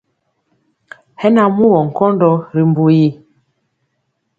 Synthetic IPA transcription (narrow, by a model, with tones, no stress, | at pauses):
hɛ˦na˨mu˦wɔ˨ŋ̩˨kɔ˦ndɔ˦ɾi˨mbu˨ji˦